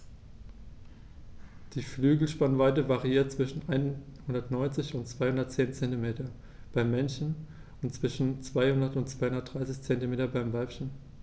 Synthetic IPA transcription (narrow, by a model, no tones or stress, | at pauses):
d̥iːflyːɡl̩ʃpanvaɪtəvaʁiiːɐt̚t͡sv̥ɪʃn̩ʔaɪnhʊndɐtnɔʏnt͡sɪçʊntt͡sv̥aɪhʊndɐtt͡seːnt͡sɛntimeːtɐ | b̥aɪmːɛnçn̩ | ʊntt͡sv̥ɪʃn̩t͡sv̥aɪhʊndɐtʊntt͡sv̥aɪhʊndɐt̚d̥ʁaɪsɪçt͡sɛntimeːtɐbaɪmvalpçn̩